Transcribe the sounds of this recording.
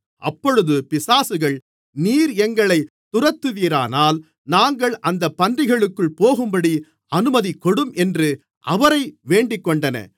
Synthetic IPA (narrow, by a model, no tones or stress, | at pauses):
ʔɐ̰pːɔɻɯðɯpɪsaːsɯɣɐɭ | niːɾɛŋɡɐɭɐɪ | t̪ʊrɐt̪ːɯʋiːɾa̰ːnaːl | naːŋɡɐɭɐnd̪ɐpːɐndrɪɣɐɭɯkːɯɭpoːɣɯmbɐɽi | ɐnɯmɐðikːɔɽɯmʔɛndrɯ | ʔɐʋɐɾɐɪʋeːɳɖɪkːɔɳɖɐnɐ̰